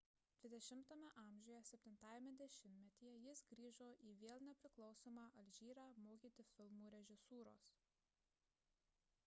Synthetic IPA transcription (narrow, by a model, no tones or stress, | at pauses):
d̪ʲʋʲɪd̪ʲɛʃʲɪmt̪oːmʲɛʔɑːˑmʲʒʲoːjɛsʲɛpʲt̪ʲɪnt̪ɑːjɛmʲɛd̪ʲɛʃʲɪmʲmʲɛt̪ʲiːjɛjɪsɡɾʲiːʒoːʔiːʋʲeːlˠnʲɛpʲɾʲɪklˠɒʊsoːmɑːʔɐlʲʒʲiːɾɑːmoːkʲiːt̪ʲɪfʲɪlˠmuːɾʲɛʒʲɪsuːɾo̰ːs